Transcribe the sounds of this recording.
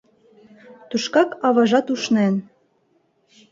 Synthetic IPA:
t̪uʃkɑkɑβɑʒɑt̪uʃnen

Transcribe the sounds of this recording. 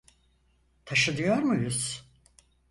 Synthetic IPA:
t̪ʰaʃɯd̪ɯjo̞ɾmujuz̥

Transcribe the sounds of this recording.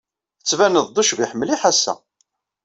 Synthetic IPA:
θət͡sːvænəðˤd̪uʃviħəmːliħasːæ̰

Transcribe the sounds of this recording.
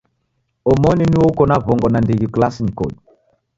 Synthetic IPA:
ɔmɔniniwokɔnavɔŋɡɔnandeɡiklasinikɔ̰ɗ

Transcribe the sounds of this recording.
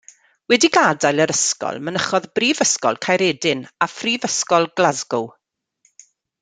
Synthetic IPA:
wɛdiɡadajləɾəskɔ̰lˠmənəχɔðbriːvəskɔ̰lˠkʰajɾɛːdɪnafriːvəskɔlˠɡlazɡʊw

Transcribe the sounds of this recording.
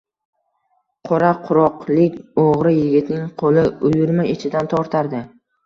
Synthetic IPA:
qʰoɾaqʰʊɾɒqlˠɪkʲoʁɾɪjɪɡʲɪt̪nɪŋqʰolɪʊjʊɾmaɪt͡ʃʰɪd̪ant̪ʰɒɾt̪ʰaɾd̪ɪ

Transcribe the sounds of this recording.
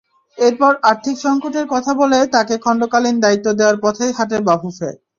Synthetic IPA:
eɾpɔɾaɾt̪ʰikʃɔŋkoʈeɾkɔt̪ʰabolet̪akekʰɔɳɖokalind̪ait̪ːod̪eoaɾpɔt̪ʰejɦaʈeɾbabʱufḛ

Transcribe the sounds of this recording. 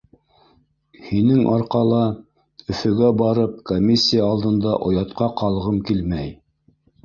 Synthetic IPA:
hinɘŋʔɑɾqɑlˠɑ | ɵ̆fɵ̆ɡæbɑɾɤp̚komʲːisʲːijaːlˠd̪ɤ̆nd̪ɑʔŏjɑt̪qɑqɑlˠʁɤmkilmæj

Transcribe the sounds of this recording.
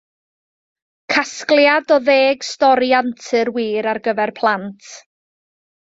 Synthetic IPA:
kʰasklˠjadɔðeːɡ̥stɔɾiantʰɨrwiːɾarɡəvɛrpʰlˠantʰ

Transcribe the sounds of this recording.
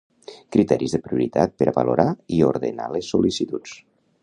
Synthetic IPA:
kɾit̪ɛɾizðəpɾiuɾit̪at̪̚pəɾaβaloɾaioɾðəna̰lesːulisit̪ut͡s

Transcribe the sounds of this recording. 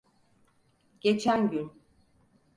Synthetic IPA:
ɟ̥et͡ʃʰænɟyn

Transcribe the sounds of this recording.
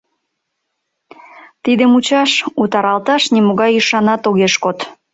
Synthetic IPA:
t̪id̪emut͡ɕɑʃut̪ɑɾɑlt̪ɑʃnimoɣɑjiʃɑnɑt̪oɣeʃkot̪

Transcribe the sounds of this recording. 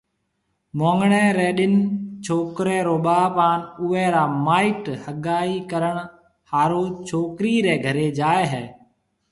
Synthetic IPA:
mõːŋɡɳeːɾeːɗɪnt͡ʃʰoːkɾeːɾoːɓaːpaːnʊʋɛːɾaːmaːiːʈhəɠaːiːkəɾəɳ | haːɾoːt͡ʃʰoːkɾiːɾɛːɡʱəɾeːd͡ʒaːeːɦɛː

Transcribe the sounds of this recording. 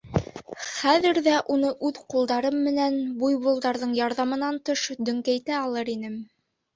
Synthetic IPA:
χæðɘ̆ɾðæʔunɤʔʉðqulˠd̪ɑɾɤmːɘ̆nænbujbŭlˠd̪ɑɾðɤɴjɑɾðɑmɤ̆nɑnt̪oʃd̪ɵ̆ŋkæjt̪æɑlˠɤɾinɘm

